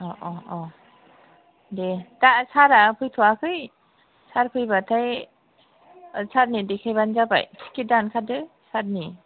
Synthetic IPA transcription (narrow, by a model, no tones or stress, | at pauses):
ɔʔɔʔɔ | detasaɾapʰɯjtʰuakʰɯj | saɾpʰɯjbatʰaj | saɾnidekʰajbanzaba̰jʰkidankʰadɯsaɾ̚ni